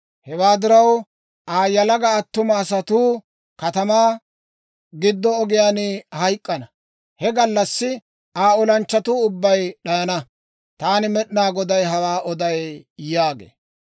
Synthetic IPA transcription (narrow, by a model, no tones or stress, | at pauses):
hɛwaːd̪ɪɾɐw | ʔaːjɐlɐɡɐːt̪ːʊmɐːsɐt̪uː | kɐt̪ɐmaː | ɡɪd̪ːɔːɡɪjaːnɪhɐjkʼːɐnɐ | hɛɡɐlːɐsːɪ | aːɔlɐnt͡ʃːɐt̪uːʊbːɐjɗɐjɐnɐ | t̪aːnɪmɛɗnaːɡɔd̪ɐjɦɐwaːʔɔd̪ɐjjaːɡḛː